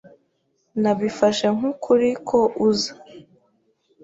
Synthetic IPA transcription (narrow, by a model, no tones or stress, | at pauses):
naβifaʃe̞ŋ̥hukʰuɾikʰo̞ʔuza